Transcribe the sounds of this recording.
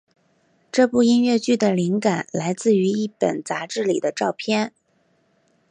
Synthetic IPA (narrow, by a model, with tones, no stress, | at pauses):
ʈ͡ʂɤ˥˧pu˥˩i˥nɥɛ˥˩˧t͡ɕy˥˩d̪ə˩li˧˥ŋka˨˩nla˧˥ɪt͡sɹ̩˥˩y˧˥i˥˩pə̰˨˩nt͡sa˧˥ʈ͡ʂɻ̩˥˩lḭ˨˩d̪ə˦ʈ͡ʂɑ˥˧ʊpʰjɛ˥˧n